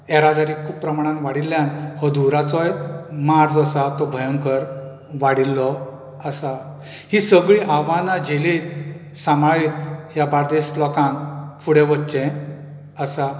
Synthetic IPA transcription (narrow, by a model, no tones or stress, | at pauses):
ɛɾad̪aɾikʰuːppːɾəmaɽ̃ãnʋaɽilːjanhɔd̪ʱuɾat͡sɔjmaɾd͡zɔsat̪ɔbʱəjəŋkəɾ | ʋaɽilːɔ | əsa | hisəɡɭiʔaʋãnad͡ʑeliːt̪ | samɭaɭiːt̪ɦjabaɾd̪eslɔkãnfuɽeʋətːt͡ɕẽ | əsa